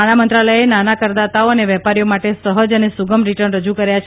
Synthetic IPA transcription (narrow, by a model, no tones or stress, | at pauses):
aɽ̃amənt̪ɾaləjenanakəɾd̪at̪aoəneʋɛpaɾijomaʈesəɦəd͡ʒənesuɡəmɾiʈəɾnɾəd͡ʒukəɾjat͡ʃʰ